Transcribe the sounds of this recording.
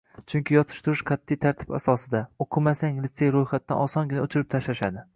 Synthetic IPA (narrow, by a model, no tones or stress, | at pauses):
t͡ʃʰʊŋkʲɪjɒt̪ʰɪ̥ʃt̪ʊɾɪʃqʰɑt̪ʰːijt̪ʰaɾt̪ʰɪ̥ba̰sɒsɪd̪aoqʰɨmasaŋlɪt̪se̞jɾojχat̪ːanɒsɒŋɡʲɪnaʊt͡ʃʰɪɾɪp̚t̪ʰaʃlaʃad̪ɪ